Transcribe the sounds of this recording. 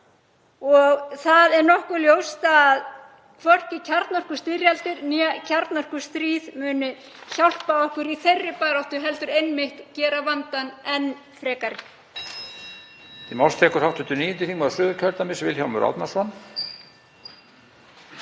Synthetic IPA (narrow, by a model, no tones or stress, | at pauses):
ɔɣθaðɛɾnɔhkʏɾljowst̪ːð | kʰvɔr̥cɪcʰaɾt̪nɔr̥kʏ̥st̪ɪɾjalt̪ɪɾncʰaɾt̪nɔr̥kʏ̥st̪ɾiːðmʏːnʏ | çawl̥paɔhkʏɾiθejrːɪpaɣɾawht̪ʏɦɛlt̪ʏɾejnmɪht̪cɛːɾavant̪anɛn | fɾɛːkaɾɪ | t̪ʰimawst̪ʰɛhkʏɾ̥hawht̪ʏnt̪ʏniːjʏnt̪ɪθiŋkaðsʏːðʏɾcʰœɾt̪amɪsvɪlçjawmʏɾa̰wt̪nasɔn